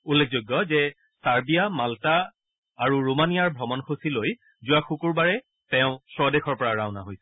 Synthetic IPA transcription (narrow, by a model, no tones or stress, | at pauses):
ulːek̚ʰzojɡːɔzɛ | saɹbijamaltaː | ɹuɹomanijaɹbʱɹɔmɔnxosiloj | zʊwaxukuɹbaɹɛ | tɛʊ̃sɹɔdexɔɹpɔɹaɹaʊ̃naɦojsɛ̥